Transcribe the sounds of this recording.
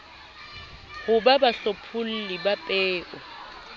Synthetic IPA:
hʊbabaɬopʰʊl̩lɪbapʼɛːʔɔ

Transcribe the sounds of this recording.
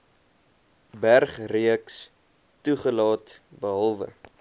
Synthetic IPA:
bærχriəks | tuχəlɑːtbəɦɐlˠvə̰

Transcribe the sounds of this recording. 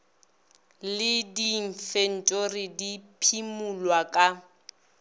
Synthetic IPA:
lɪdiɱ̩fen̩tʼorɪdipʰimulwakʼa

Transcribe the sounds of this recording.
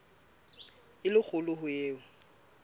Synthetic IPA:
ɪlɪk͡xʰʊlʊhʊjeːʊ

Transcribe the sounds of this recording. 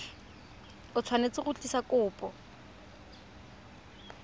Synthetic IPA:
ʊt͡sʰwanet͡sʼɪχʊt͡ɬʼisakʼʊːpʼɔ

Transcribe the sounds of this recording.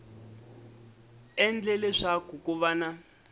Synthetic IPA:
ɛnd͡ɮɛlɛʂakukuβana

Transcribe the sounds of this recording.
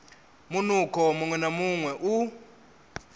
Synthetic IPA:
munukʰɔmuŋwɛnamuŋwɛʔu

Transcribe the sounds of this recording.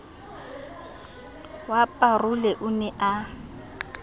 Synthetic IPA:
wapʼarʊlɛʔʊnɛʔa

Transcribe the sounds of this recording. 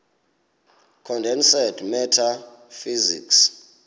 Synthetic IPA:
kʰɔndʱɛnsɛdmɛtʰa | fizḭks

